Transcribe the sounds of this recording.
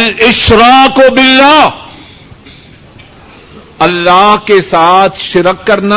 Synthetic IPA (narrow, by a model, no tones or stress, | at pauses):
lɪʃɾaːkobɪlːaː | ɐlːaːɦkesaːt̪ʰʃɪɾəkːɐɾna